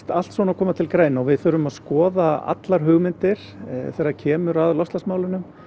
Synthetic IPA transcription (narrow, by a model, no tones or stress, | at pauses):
t̪al̥t̪svɔːnakʰɔːmat̪ʰɪlkɾeːjnaɣvɪðfʏɾʏmaðskɔːðaa̰t̪laɾ̥ɦʏɣmɪnt̪ɪɾ̥θɛɾːaɾcʰɛːmʏɾaðlɔst̪asmaːwlɪnʏm